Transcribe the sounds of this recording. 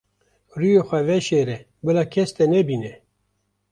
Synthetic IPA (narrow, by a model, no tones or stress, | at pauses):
rujexʷɛvɛʃeːɾɛ | bɨlɑːkʰɛst̪ɛnɛbiːnɛ